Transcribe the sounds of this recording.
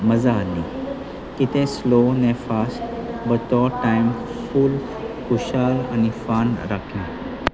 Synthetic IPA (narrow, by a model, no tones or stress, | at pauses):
məd͡zaːli | kit̪ẽslonɛfasʈbət̪ɔʈajmfuːl | kuɕala̰nifanɾakʰẽ